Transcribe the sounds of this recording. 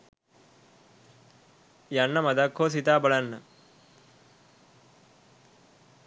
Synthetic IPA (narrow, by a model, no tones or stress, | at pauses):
jɐnːɐmɐd̪ɐkʰːoːs̬it̪aːbɐɭɐnːɐ̰